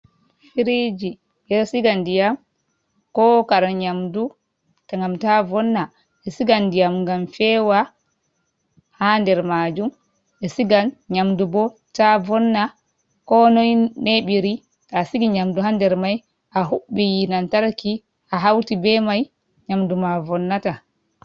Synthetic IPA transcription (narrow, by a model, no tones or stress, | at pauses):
fiɾid͡ʒi | ɓɛsiɡandijam | kɔkaɾaɲamdu | taŋɡamtavɔnːa | ɛsiɡandijamŋɡamfɛwa | handɛɾmad͡ʒum | ɛsiɡanɲamdubɔ | tavɔnːa | kɔnɔjneɓiɾi | tasiɡiɲamduɦandɛɾmaj | ʔaɦuɓːijinantaɾki | ʔaɦawtibɛmaj | ɲamdumavɔnːata